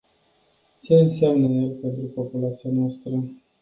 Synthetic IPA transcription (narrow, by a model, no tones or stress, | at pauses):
t͡ʃe̞ɨnseamnəjelpe̞nt̪ɾupo̞pulat̪sijanoast̪ɾə